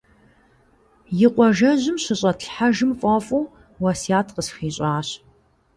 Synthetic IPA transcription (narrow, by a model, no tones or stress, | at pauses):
jɪqʷɔʒɐʑɪmɕɐɕʼɐtɬħaʒɨmfʼɐfʼuː | wɐsijaːtʰqəsxiːɕʼaːɕ